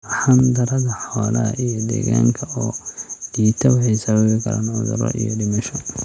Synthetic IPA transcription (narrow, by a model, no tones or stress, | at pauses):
ħand̪ɐɾɐðɐħɔːlɐɐ̰ʔijɔd̪ɛ̰ːɣaːŋkʰɐɔːɖiːt̪ʰɐwɑħɛjsɐβɐβɪkʰɐɾa̰ːnʕʊ̰ðʊ̰ɾɔ̰ʔijɔɖɪmɐʃɔ